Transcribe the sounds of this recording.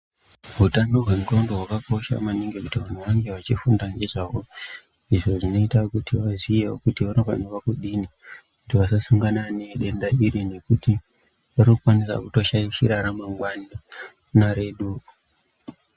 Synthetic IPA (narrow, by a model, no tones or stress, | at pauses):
ɦutanoɦwe̞mutondoɦwakako̞ʃa̰maniŋɡekutiʋan̤uʋaŋɡe̞ʋat͡ʃifundaŋɡe̞ʐaʋo̞ | iʐo̞ʐino̞itakutʰiʋazijeo̰kutionakanoʋakuɗinikutiʋasasuŋɡananiɗe̞ndaiɾine̞kuti | rokukwanisa̰kuto̞ʃaiʃiɾaɾamaŋɡwani | naɾe̞ɗu